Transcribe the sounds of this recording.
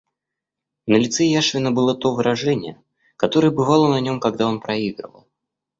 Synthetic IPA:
nəlʲɪt̪sɛjaʂvʲɪnəbɨlˠət̪o̞vɨɾɐʐɛnʲɪ̰jə | kɐt̪o̞ɾəjəbɨvɑlˠənɐnʲo̞mkɐɡd̪ao̞npɾɐiɡɾə̰və̰lˠ

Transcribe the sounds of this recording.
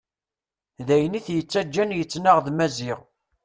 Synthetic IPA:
ðæjəniθjət͡sːæd͡ʒːænjət͡sːnaʁðmæziʁ

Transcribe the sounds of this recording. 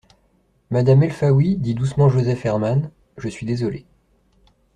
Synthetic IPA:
mad̪amɛlfawid̪id̪usmɑ̃ʒozɛfɛʁman | ʒəsɥid̪ezɔle

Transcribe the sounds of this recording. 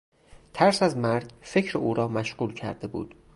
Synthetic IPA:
t̪ʰæɾsæzmæɾɟfe̞cʰɾeuːɾɒːmæʃɢuːlcʰæ̰ɾd̪e̞bṵːd̪̥

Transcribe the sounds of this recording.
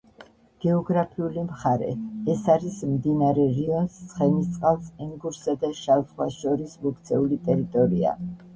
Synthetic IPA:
ɡ̥ɛɔɡɾapʰiulimχaɾɛ̰ɛsaɾismd̪inaɾɛɾiɔnssχɛnist̪sʼqʼalˠsɛŋɡuɾsad̪aʃalt̪χwaʃɔɾismuk̚ʰt̪sʰɛulit̪ʼɛɾit̪ʼɔɾia̰

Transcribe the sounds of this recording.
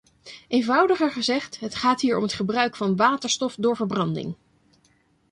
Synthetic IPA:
ejnvʌwdəχəɹχəzɛχtɦətχaːtɦiːɹɔ̰mɦətχəbrœɥkfɑnʋaːtəɹstɔfdʊːɹvəɹbrɑndɪ̰ŋ

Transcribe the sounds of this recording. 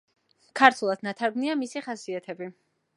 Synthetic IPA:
kʰaɾt̪ʰwulˠad̪nat̪ʰaɾɡmniamisiχasiat̪ʰɛbi

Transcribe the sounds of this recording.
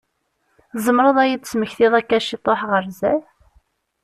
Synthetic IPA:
zˤəmɾˤəðˤæjid̪t͡sːməçθɪðˤækːæʃit̪ˤːoħʁəɾzæ

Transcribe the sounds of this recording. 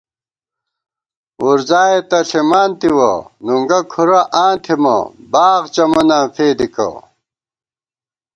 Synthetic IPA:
uɾzaːet̪ɐɬimaːnt̪iwɐ̰nuŋɡɐkʰuɾɐʔãːnt̪ʰimɐ̰baːɣt͡ɕɐmɐnaːfeːd̪ikɐ̰

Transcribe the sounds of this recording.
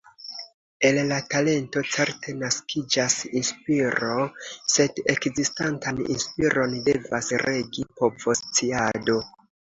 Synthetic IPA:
e̞llatale̞nto̞t͡se̞ɾte̞naskʰid͡ʒasinspiɾo̞se̞de̞kzistantanḭnspiɾo̞nde̞vasɾe̞ɡipovo̞st͡siado̞

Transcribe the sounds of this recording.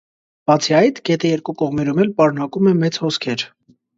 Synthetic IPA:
b̥ɑt͡sʰiɑjt̪ʰɡ̥ɛt̪ʰɛjɛɾkukɔʁmɛɾumɛlpɑɾunɑkumɛmɛt͡shɔskʰɛɾ

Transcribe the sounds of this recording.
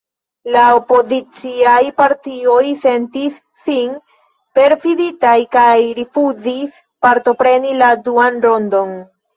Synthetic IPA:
laopo̞zit͡siajpaɾtio̞jse̞ntisːin | pe̞ɾfiditajkajɾifuzis | paɾto̞pɾe̞niladuanɾo̞ndo̞n

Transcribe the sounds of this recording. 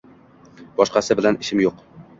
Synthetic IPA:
b̥ɒʃqɑsɪbɪlænɪʃɪmjoq

